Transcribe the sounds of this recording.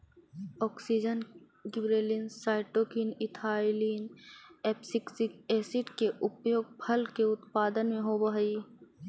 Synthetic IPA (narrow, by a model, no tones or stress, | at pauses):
ɔːksid͡ʒən | ɡɪbɾeːlinsaːɪʈoːkinɪt̪ʰaːɪliːnɛːpsɪksɪkeːsɪʈkeʔʊpjoːɡ̚pʰɐlkeʊt̪paːd̪ənmẽɦobɐɦiː